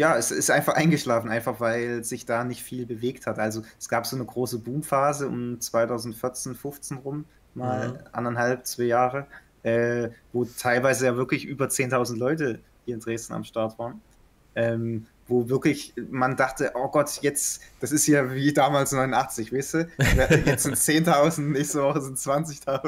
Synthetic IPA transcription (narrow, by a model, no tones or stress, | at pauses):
jaːɛsɪ̰stʔaɪnfaχʔaɪnɡəʃlaːfn̩ʔaɪnfaχv̥aɪlzɪçd̥aːnɪçtfiːlbəveːkthatʔalzoɛsɡ̥aːpz̥oːnəɡʁoːsəbuːmfaːzəʊ̰mt͡sv̥aɪtʰaʊzn̩tfɪɐt͡seːnfʊft͡seːnʁʊm | maːlʔa̰nɐnhalp̚t͡sv̥aɪjaːʁə | ʔɛːvoːtʰaɪlvaɪzəjaːvɪɐklɪçʔyːbɐt͡seːntʰaʊzn̩tlɔʏtə | hiːɐɪnd̥ʁeːstn̩a̰mʃtaɐtv̥aːʁn | ʔɛːm | voːvɪɐklɪçmandaχtəʔoːɡɔtjɛt͡sd̥asɪstjaːviːdaːmaːlsnɔʏnʊnʔaχt͡sɪçv̥eːstuːvjɛt͡sz̥ɪnt͡seːntʰaʊzn̩tnɛːçstəvɔχəzɪntt͡sv̥ant͡sɪçtʰaʊ